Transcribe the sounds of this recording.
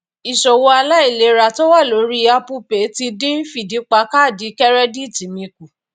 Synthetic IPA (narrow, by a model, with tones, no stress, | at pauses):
i˨ʃɔ˨wo˧a˧la˦i˦˨le˨˦ɾa˨to˦wa˦˨lo˨˦ɾi˦a˧pu˧pe˨˦ti˧dĩ˦fi˦˨di˨˦k͡pa˨˦ka˦˨di˨˦kɛ˦ɾɛ˦di˦˨ti˨˦mĩ˧ku˨